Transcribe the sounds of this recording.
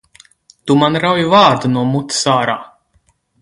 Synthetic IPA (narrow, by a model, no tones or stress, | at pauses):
t̪umanɾawjuvaːɾd̪unuɔmut̪saːɾaː